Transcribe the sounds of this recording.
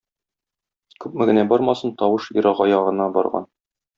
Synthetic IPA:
kʉp̚mɘ̆ɡɘ̆næbɒɾmɑsɤnt̪ɒwɤʃiɾɑʁɒjɑʁɤ̆nɑbɒ̰ɾʁɑ̰n

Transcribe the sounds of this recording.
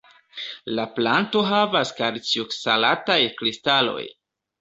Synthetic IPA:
laplanto̞ɦavaskaɾt͡siuksalatajkɾistalo̞̰j

